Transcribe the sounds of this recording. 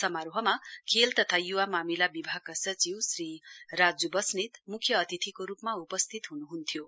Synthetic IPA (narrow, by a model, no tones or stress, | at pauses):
sʌmaɾoɦʌmakʰelt̪ʌt̪ʰajuwamamilabibʱakasʌt͡siwsrirad͡zubʌsnet̪mukʰjʌːt̪it̪ʰikoɾupmaupʌst̪ʰit̪ɦunuɦunt̪ʰijo